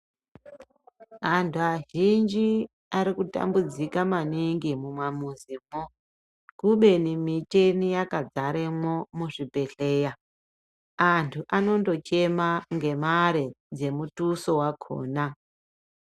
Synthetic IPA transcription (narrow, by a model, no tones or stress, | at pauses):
antʰuaʒind͡ʒi | aɾikuta̰mbud͡zikamaniŋɡimumwamuzimo | kuɓe̞nimit͡ʃenijakad͡zaɾemomuʐibʱe̞ɬe̞ːja | antʰuʔano̞ndo̞t͡ʃe̞maŋɡe̞maɾed͡ze̞mutuso̞wakʰo̰ːna